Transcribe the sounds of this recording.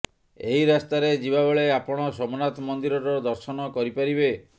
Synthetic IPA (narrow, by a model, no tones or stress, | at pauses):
eɦiɾast̪aɾed͡ʒibabɔɭeapɔɽ̃ɔsɔmɔnat̪mɔnd̪iɾɔɾɔd̪ɔɾsɔnɔkɔɾipaɾibe